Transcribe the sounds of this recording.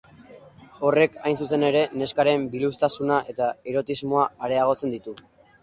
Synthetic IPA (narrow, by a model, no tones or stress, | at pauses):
o̞re̞kajnsuse̞ne̞ɾe̞ne̞skaɾe̞mbilust̪asunaʔe̞t̪aeɾo̞t̪izmo̞aːɾe̞aɣ̞o̞t͡se̞nd̪it̪u